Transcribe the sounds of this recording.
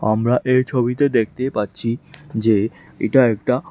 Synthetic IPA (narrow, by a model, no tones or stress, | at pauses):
amɾaʔeɾt͡ɕʰobit̪ed̪ek̚ʰt̪epaɾːɕʰid͡ʑe | ḛʈaɛk̚ʈa